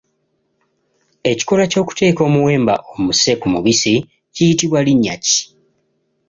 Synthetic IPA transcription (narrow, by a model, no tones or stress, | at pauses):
e̞ci̥ko̞laco̞ːku̥te̞ːko̞ːmuwe̞ːmba̰ʔo̞muse̞kumuβisi | cijitiβwaliɲːa̰ci̥